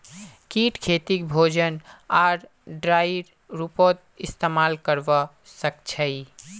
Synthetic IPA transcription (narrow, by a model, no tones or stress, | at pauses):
kiʈkʰet̪ikbʱod͡ʒənaɾ | ɖɾajɾ | ɾupot̪̚ist̪emalkəɾbɔ | səkt͡ʃʰəɪ